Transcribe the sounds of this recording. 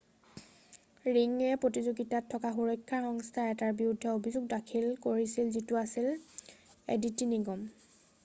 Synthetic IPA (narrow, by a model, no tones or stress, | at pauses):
ɹiŋɛpɹotizuɡitatʰːɔkaxuɹɔjkʰːaɹxɔŋstʰaɛtaɹbiudʱːɛobʱizuɡ̚dakʰilkoɹisilzituasil | ḛditiniɡɔm